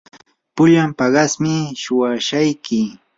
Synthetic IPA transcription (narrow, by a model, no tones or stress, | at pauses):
pʊʎampɑɢɑsmɪʃʊwaʃajkɪ